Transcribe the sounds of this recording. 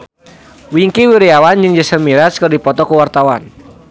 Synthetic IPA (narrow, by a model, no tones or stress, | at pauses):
wiŋkiwiɾiawand͡ʒɨŋd͡ʒəsəmiɾaskərdipɔt̪ɔkuwart̪awan